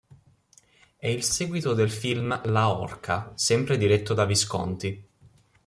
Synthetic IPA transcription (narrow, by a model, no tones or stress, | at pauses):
ɛilsɛːɡwit̪od̪elfilmlaɔ̰rkʰasɛmpɾed̪iɾɛt̪ːod̪aviskɔ̰nt̪i